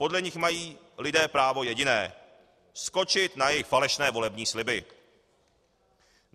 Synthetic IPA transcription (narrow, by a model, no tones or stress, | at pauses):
po̞dlɛɲɪxmajiː | lɪdɛːpɾaːvo̞jɛɟɪnɛ̰ː | sko̞t͡ʃɪt̪najɛjɪxfalɛʃnɛːvo̞lɛbɲiːslɪbɪ